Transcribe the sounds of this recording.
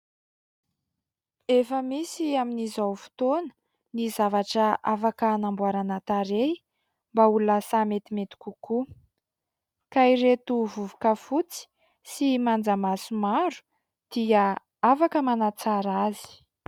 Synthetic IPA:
efəmisiaminizawfu̥t̪onə̥ | nizavaʈ͡ʂəʔafakənambuaɾanat̪aɾe | mbauluasamet̪imet̪i̥kʲuku | kaiɾet̪uvuvukəfut͡si̥ | simand͡zamasumaɾu̥ | d̪̥iə | afakəmanat͡saɾazi̥

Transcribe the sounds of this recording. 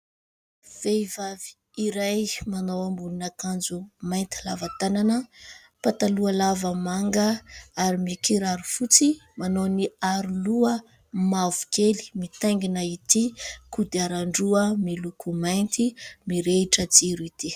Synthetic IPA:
v̥eivavi̥ | iɾajmanowambulunakand͡zumajnt̪i̥lavat̪ananə | pat̪aluəlavəmaŋɡəaɾimikiɾaɾufut͡simanowniaɾuluə | mavukeli̥mit̪aŋɡinait̪ikud̪iaɾaɳɖ͡ʐuəmilukumajnt̪imiɾeiʈ͡ʂəd͡ziɾuit̪i

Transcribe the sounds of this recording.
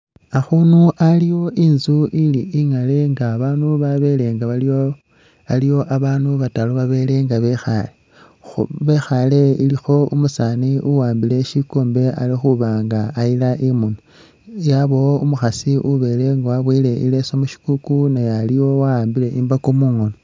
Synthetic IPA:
axunuʔalijo̞ʔinzuʔiliʔiŋale̞ŋɡaβaːnuβaβe̞le̞ŋɡaβa | alijo̞ʔaβaːnuβataloβaβe̞ːle̞ŋɡaβe̞xa̰le̞ | βe̞xale̞ilixo̞umusaːniʔuwaːmbile̞ʃikoːmbe̞a̰lixuβaːŋɡaːilaʔimuno | jaβo̞umuxasiʔuβe̞le̞ŋɡwaβwiːle̞ʔile̞somuʃi̥kukunejalijo̞waaːmbile̞ʔimbakomuːŋono

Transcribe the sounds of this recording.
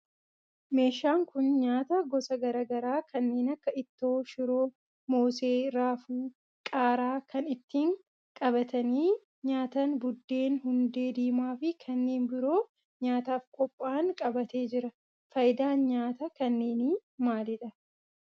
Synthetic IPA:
me̞ːʃaːŋkʊnɲaːt̪ɐɡɔsɐɡɐɾɐːɡɐɾaːkʰɐnːe̞ːnɐkːɐɪt̪ːo̞ːʃʊɾoː | mo̞ːse̞ːɾaːfuː | kʼaːɾaːkʰɐnɪt̪ːiːŋ | kʼɐbɐt̪ɐniː | ɲaːt̪ɐnbʊd̪ːe̞ːnhʊnd̪e̞ːd̪iːmaːfɪkʰɐnːe̞ːnbɪɾo̞ː | ɲaːt̪aːfkʼɔpʼːaːnkʼɐbɐt̪e̞ːd͡ʒɪɾɐ | fɐjd̪aːnɲaːt̪ɐkɐnːe̞ːniːmaːlɪᶑɐ

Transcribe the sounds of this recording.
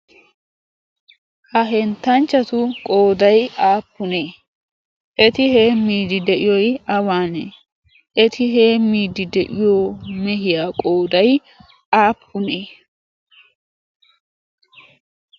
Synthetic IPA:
hɐɦɛnt̪ːɐnt͡ʃːɐt̪ʊkʼo̞ːd̪ɐjaːpːʊneː | ʔɛt̪ɪhe̞ːmːiːd̪ɪd̪ɛʔɪjɔjɐwaːne | ʔɛt̪ʰɪɦeːmːiːd̪ɪd̪ɛʔɪjomɛɦɪjaːkʼo̞ːd̪ɐj | ʔaːpʰːʊneː

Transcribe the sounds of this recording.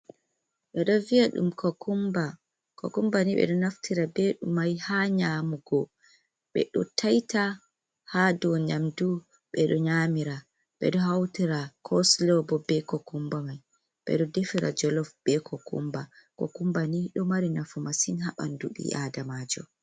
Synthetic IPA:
ɓɛɗɔviaɗṵmkʰɔkumba | kɔ̰kumbaniɓɛ̰ɗɔnaftiɾabɛɗṵmajhaɲamuɡɔ | ɓɛ̰ɗɔtʰajta | hadɔɲamdu | ɓɛɗɔɲamiɾa | ɓɛ̰ɗɔɦawtiɾakʰɔslɔbɔbɛkɔkumbamaj | ɓɛ̰ɗɔdefiɾa̰d͡ʒɔlɔfb̥ɛkʰɔkṵmbakɔkumbaniɗɔmaɾinafumasinɦaɓa̰nduɓḭadamaːd͡ʒɔ

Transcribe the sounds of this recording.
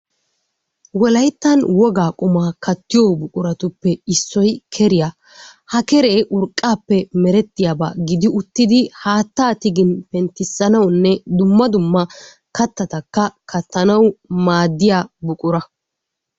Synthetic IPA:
wɔlɐjt̪ːɐnwɔɡaːkʼʊmaːkʰɐt̪ːɪjoːbʊkʼʊɾɐt̪ʊpːɛɪsːɔjkʰɛɾɪja | hɐkɛɾeːʔʊɾkʼːaːpːɛmɛɾɛt̪ːɪjaba̰ːɡɪd̪ɪʊt̪ːɪd̪ɪhaːt̪ːaːt̪ɪɡɪnpɛnt̪ːɪsːɐnɐwnːɛd̪ʊmːɐd̪ʊmːɐ | kɐt̪ːɐt̪ɐkːɐkʰɐt̪ːɐnɐwmaːd̪ːɪjaːbʊkʼʊɾɐ

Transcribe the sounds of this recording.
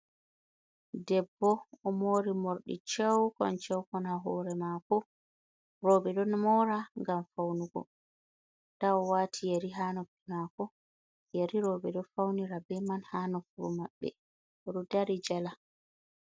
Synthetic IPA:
dɛbːɔːmoɾimoɾɗḭt͡ʃɛwkɔ̰nt͡ʃɛwkɔnaɦɔ̰ːɾɛmakɔ | ɾɔbɛɗɔnmɔɾaŋɡamfawnuɡɔ̰ | tawɔwaːtʰijeɾiɦaːnɔpːinakɔ | jeɾiɾɔbɛɗɔfawniɾabɛmanhaːnɔfuɾṵmaɓːɛ̰ | ɔɗudaɾid͡ʒala

